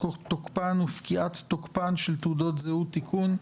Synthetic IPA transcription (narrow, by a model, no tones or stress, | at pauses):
ot̪okpanufkiʔat̪ːokpanʃelt̪udot̪zehut̪ikʰun